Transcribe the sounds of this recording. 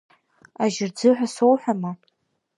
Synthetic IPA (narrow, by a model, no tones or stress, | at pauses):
aʒɪrd͡zɨħʷᶣasowħʷᶣama